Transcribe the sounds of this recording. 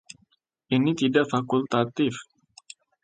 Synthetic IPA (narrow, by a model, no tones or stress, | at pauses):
ʔinit̪idaʔfakult̪at̪ɪf